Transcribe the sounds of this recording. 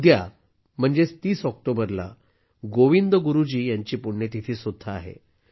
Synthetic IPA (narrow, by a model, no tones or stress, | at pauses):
d̪ja | m̤əɳd͡zest̪iːsɔk̚ʈobəɾla̰ | ɡoʋind̪əɡuɾud͡ʑiːjaɲt͡ɕiːpuɽɳet̪it̪ʰiːsud̪ʱːaa̰ɦḛ